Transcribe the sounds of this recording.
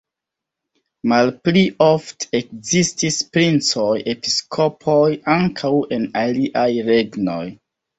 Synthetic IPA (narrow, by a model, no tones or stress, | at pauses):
malpliʔoftekzistispɾint͡sojepi̥skʰopʰojaŋkʰawe̞naliʔajɾeɡno̰j